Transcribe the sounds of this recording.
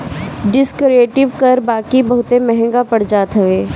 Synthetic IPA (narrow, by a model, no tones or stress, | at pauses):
ɖɪskɾieːʈɪʋkɐɾbaːkibɐɦʊt̪emɛɦɛ̃ŋɡapɐɽd͡ʒaːt̪ɦɐʋeː